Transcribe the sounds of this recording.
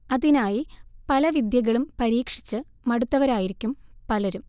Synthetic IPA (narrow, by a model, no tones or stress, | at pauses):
ɐðinaːjipɐlɐʋid̪jɐɣɐɭumpɐɾiːkʂi̥t͡ɕːɨ | mɐɽut̪ːɐʋɐɾaːjiɾikʲːumpɐlɐɾum